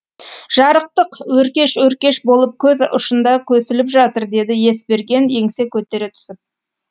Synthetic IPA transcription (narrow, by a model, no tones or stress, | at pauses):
ʒ̥ɑɾəq̚t̪əqwɵɾkʲe̞ʃwɵɾkʲe̞ʃbo̞lˠəp̚kʲʰɵðʊ̰ʃənd̪ɑkʲʰɵsɪlɪpʒɑt̪əɾd̪e̞d̪ɪje̞sbe̞ɾɡʲe̞ne̞ŋse̞kʲʰɵt̪e̞ɾe̞t̪ʰʏ̥sɪp̚